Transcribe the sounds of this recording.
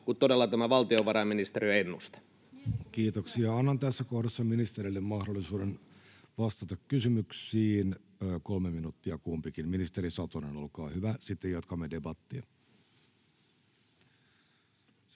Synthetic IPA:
kut̪t̪odelːɑt̪æmæʋɑlt̪ioʋɑɾɑminist̪eɾiøenːust̪ɑ̥ | kiːt̪oksiɑɑnːɑnt̪æsːækohdesːɑminist̪eɾilːemmɑhdolːisuːden | ʋɑst̪ɑt̪ɑkkysymyksiːnː | kolmeminut̪ːiɑkumpikinminist̪eɾisɑt̪oneno̞lkɑ̰ːhyʋæsit̪ːejɑt̪kɑmːede̞bɑt̪ːiɑ

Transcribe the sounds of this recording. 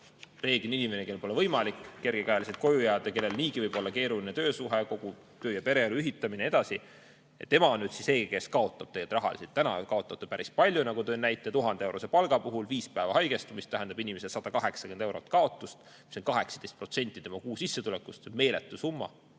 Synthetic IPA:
re̞ːɡ̥eninime̞nekelpo̞levɤjmɑlikːe̞rɡ̥ekæjliset̪ko̞jujæːd̪eke̞lːe̞lniːkivɤjb̥o̞lːɑke̞ːɾulinet̪ø̞ːsuɦe̞ko̞ɡ̥u | t̪ø̞ːjɑpe̞ɾe̞ɑluyɦit̪ːˑɑmineed̪ɑsi | jḛt̪ːe̞mɑo̞nːyːd̪̥sise̞ːke̞skɑo̞t̪ːˑɑb̥̚t̪eɡet̪rɑɦɑ̰lḭset̪ːænɑ̰kɑo̞t̪ːˑɑt̪epæɾispɑlʲjunɑɡ̥ut̪øːnæjt̪ːˑet̪uɦɑnd̪ee̞wɾosepɑlɡ̥ɑpuɦulviːspæevɑɦɑjɡ̥e̞st̪umist̪æɦænd̪ɑbinime̞sesɑd̪̥ɑkɑɦe̞ksɑkend̪ewɾo̞t̪ːˑkɑo̞t̪ˑːust̪ | miso̞nkɑɦe̞ksɑ̥d̪e̞st̪pro̞t̪se̞nʲt̪ːˑit̪e̞mɑkuːsisːet̪ule̞kːust̪me̞ːlet̪ːˑusumːɑ̰

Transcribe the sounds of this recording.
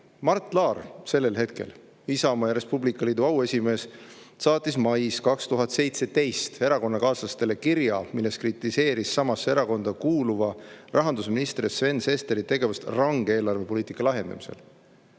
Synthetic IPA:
mɑrt̪ːˑlɑːrse̞lːe̞lɦe̞t̪̚ke̞̰l | isɑomɑjɑɾe̞spublikːˑɑliːd̪uɑwe̞sʲime̞ːs | sɑːt̪ːˑismɑjskɑkst̪uɦɑt̪se̞jt̪se̞t̪e̞jst̪e̞ɾɑko̞nːɑkɑːsɑst̪e̞le̞kiɾjɑmilːe̞skrit̪ːˑise̞ːɾisːɑmɑsːeeɾɑko̞nd̪̥ɑkuːluvɑrʔɑɦɑnd̪usminist̪ɾisve̞nse̞st̪eɾit̪e̞ɡe̞vust̪rɑŋɡ̥eeːlɑrve̞po̞liːt̪ikːˑɑlɑɦe̞nd̪̥ɑ̰misḛl

